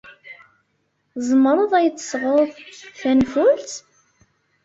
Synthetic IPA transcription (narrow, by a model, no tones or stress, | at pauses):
zˤəmɾˤəðˤæjət͡sːə̥sˤʁoðˤθænfʊlt̪